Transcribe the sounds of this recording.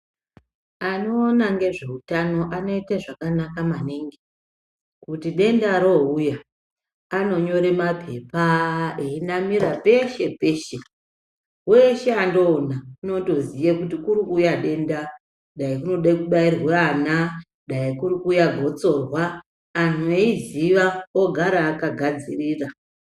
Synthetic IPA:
ano̞ːnaŋɡe̞ʐe̞utano̞ʔano̞iteʐakanakamaneŋɡe | kutiɗe̞ndaɾo̞ujaː | no̞ɲo̞ɾe̞mapʰe̞paeinamiɾape̞ʃe̞pe̞ʃe | we̞ʃeando̞ːnauno̞to̞zijekutikuɾikujaɗe̞nda | ɗaikuno̞ɗakuɓairwana | ɗaikurikuːjaɡʱo̞t͡so̞rwaː | nueiziʋaoɡʱaɾaːkaɡʱad͡ziriːra

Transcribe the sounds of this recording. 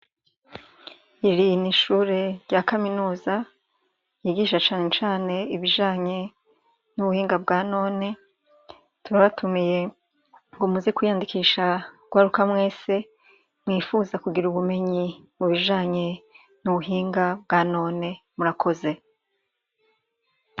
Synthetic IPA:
iɾiniʃuːɾe̞ɾɟakaminuːza | jiɡiːʃat͡ʃaːnet͡ʃaːne̞iβiʒaːɲe̞ | nuβuhiːŋɡabɡaːno̞ːne̞ | tuβaβatumije̞ | ŋɡo̞muzekwijandikiːʃaɡ̥waɾukamwe̞ːse̞ | mwiːfuzakuɡiɾuβume̞ɲimuβiʒaːɲe̞ | nuβuɦiːŋɡab̚ɡaːno̞ːne̞muɾakʰo̞ze̞

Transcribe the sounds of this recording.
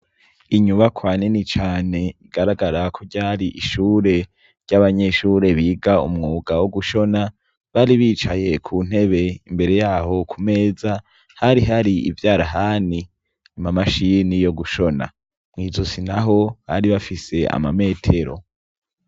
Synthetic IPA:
iɲuβakʰwaːninit͡ʃaːne̞iɡ̥aɾaɡaɾakʰo̞ɟaːɾiʔiʃuːɾe̞ | ɾɟaβaɲe̞ʃuːɾe̞βiːɡaṵmŋuːɡawoɡuʃo̞na | βaɾiβiːt͡ʃaje̞kʰuːn̥he̞βe̞imbe̞ɾe̞jaːɦo̞kʰume̞ːza | haɾiɦaɾiḭvjaːɾaɦani | nimamaʃinijo̞ɡuʃo̞na̰ | mŋiːzosinaɦo̞βaɾiβafise̞a̰mame̞ːtʰe̞ɾo̞̰

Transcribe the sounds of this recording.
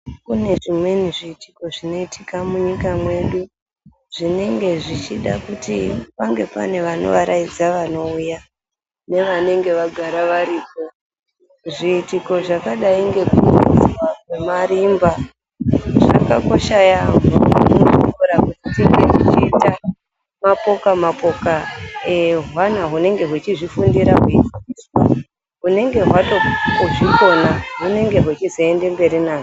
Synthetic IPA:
kune̞ʐimwe̞niʐiːtʰi̥ko̞ʐino̞itʰikamuɲikamwe̞ɗu | ʐine̞ŋɡe̞ʐit͡ʃiɗa̰kutipaŋɡe̞pa̰ne̞ʋano̞̰ʋaɾʔaid͡zaʋano̞uja | ne̞ʋane̞ŋɡe̞ʋaɡʱaɾaʋaɾiːko̞ | ʐiːtiko̞ʐakaɗaiŋɡe̞kuad͡ziwaɡwe̞maɾimba | ʐ̥a̰kako̞ʃajaɦauiuɾakutitikeʐit͡ʃiːta | mapo̞kamapo̞kaeɦwanaɦune̞ŋɡe̞ɦwut͡ʃiʐifundiɾaɦuitas | ɦune̞ŋɡe̞ɦwatooʐiko̞naɦune̞ŋɡe̞ɦwet͡ʃizoende̞mbe̞ɾinaːʐ

